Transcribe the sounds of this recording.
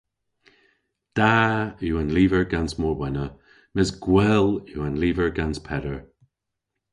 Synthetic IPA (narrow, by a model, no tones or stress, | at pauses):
d̪̥auːənliːvəɹɡansmɔɹbɛnə | mɪsɡ̥wɛluːanliːvəɹɡanspʰɛdəɹ